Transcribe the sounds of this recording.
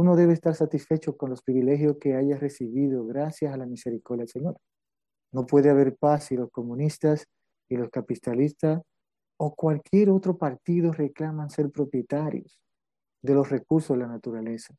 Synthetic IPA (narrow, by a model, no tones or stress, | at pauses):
uno̞ðe̞βe̞ːst̪aɾsat̪isfe̞t͡ʃo̞ko̞nlo̞spɾiβile̞xjo̞ske̞aʝasre̞siβiðo̞ɣɾasjasalamise̞ɾiko̞ɾðjaelseɲo̞ɾ | no̞pwe̞ðeaβe̞ɾpasilo̞sko̞mũnist̪as | ilo̞skapit̪alist̪as | o̞kwalkje̞ɾo̞t̪ɾo̞paɾt̪iðo̞re̞klamanse̞ɾpɾo̞pje̞t̪aɾjos | ðe̞lo̞sre̞kuɾsozðelanat̪uɾale̞sḁ